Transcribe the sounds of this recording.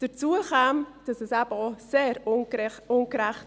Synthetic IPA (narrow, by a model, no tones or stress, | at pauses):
d̥əɾt͡suəχɛːmd̥ɑsɛsæb̥əɔseːɾ | ʊnkɾɛχt